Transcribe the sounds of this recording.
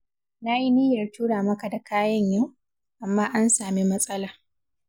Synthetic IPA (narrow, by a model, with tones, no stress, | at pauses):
na˦ji˦ni˦jɐ˨rtuː˦ɽaː˨mɐ˦ka˨da˨kaː˦jɐ˦ɲja˦˨w | ʔa˨mːaː˦ʔa˦nsaː˨mi˦mɐ˦sʼɐ˦laː˨